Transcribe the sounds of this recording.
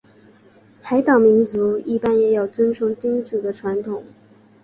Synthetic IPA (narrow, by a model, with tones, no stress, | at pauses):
t̪ʰa˧˥ɪt̪ɑ˨˩ŋmi˧˥nt͡su˧˥i˥˩pa˥njɛ˨˩jɑ˨˩ʊt͡swə˥nʈ͡ʂʰʊ˧˥ŋt͡ɕi˥ŋʈ͡ʂu˨˩d̪ə˦ʈ͡ʂʰwa˧˥nt̪ʰʊ˨˩˦ŋ